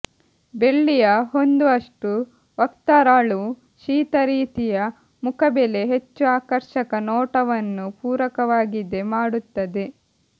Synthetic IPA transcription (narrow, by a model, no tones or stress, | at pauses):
be̞ɭːijɐɦo̞nd̪uɐʂʈu | ʋɐkt̪aːɾaːɭu | ʃiːt̪ɐɾiːt̪ijɐ | mukʰɐbele̞ɦe̞t͡ʃːuaːkɐɾʃɐkɐnɔːʈɐʋɐnːupuːɾɐkɐʋaːɡid̪e̞maːɽut̪ːɐd̪e̞